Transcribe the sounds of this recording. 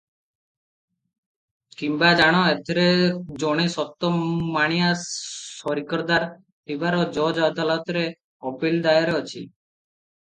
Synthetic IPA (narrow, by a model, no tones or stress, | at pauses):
kimbad͡ʒaɽ̃ɔet̪ʰeɾed͡ʒɔɽ̃esɔt̪ɔmaɽ̃ijasɔɾikɔɾd̪aɾ | t̪ibaɾɔd͡ʒɔd͡ʒad̪alɔt̪ɾe | ɔpild̪ajɔɾeɔt͡ʃʰḭ